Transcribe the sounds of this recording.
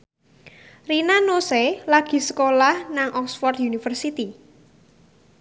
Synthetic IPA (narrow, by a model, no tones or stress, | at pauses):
rinanoselaɡ̥i̤səkolahnaŋʔɔksfɔrt̪junifərsit̪i